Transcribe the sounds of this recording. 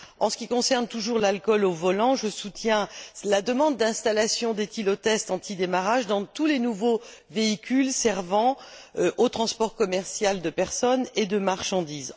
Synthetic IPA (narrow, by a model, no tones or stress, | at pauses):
ɑ̃sə̥kʲikɔ̃sɛʁnt̪uʒuʁlalkɔlovɔlɑ̃ʒəsut̪jɛ̃lad̪əmɑ̃d̪ːɛ̃st̪alasjɔ̃d̪et̪ilɔt̪ɛst̪ɑ̃t̪ʰid̪emaʁaʒd̪ɑ̃t̪ulenuvoveikʲylsɛʁvɑ̃ʔot̪χɑ̃spɔʁkɔmɛʁsjald̪əpɛʁsɔned̪əmaʁʃɑ̃d̪iz